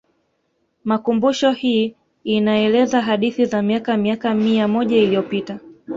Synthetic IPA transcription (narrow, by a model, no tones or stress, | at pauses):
makumbuʃɔhiː | inaɛlɛzaɦaɗiθizamiakamiakamiamɔʄailijɔpita